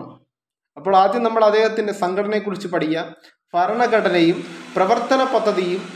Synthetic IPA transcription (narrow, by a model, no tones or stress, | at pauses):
ɐpːoːɭaːd̪jɐmnɐmːɐɭɐd̪ːe̞ːhɐt̪ːinde̞sɐŋɡʰʱɐɽɐnekːurit͡ɕːupɐɽijːɐ | pɐɾɐɳɐɡɐʈɐnejumprɐʋɐrt̪ɐnɐpɐd̪ːɐðijum